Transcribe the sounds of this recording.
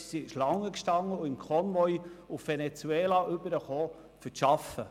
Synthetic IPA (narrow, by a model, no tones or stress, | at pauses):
siɪʃlɑŋːəkʃtɑŋːəʊɪmkʰɔmvɔjʊfvenet͡suɛːlɑʔʏb̥əɾəχoː | fəʃɑfə